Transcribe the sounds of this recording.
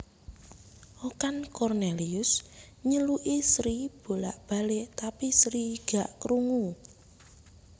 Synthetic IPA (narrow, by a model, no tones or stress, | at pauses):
ʔokankɔrneliʊs | ɲəluʔisɾib̥o̤la̰ʔb̥a̤let̪apisɾiɡ̥a̤ʔkɾuŋu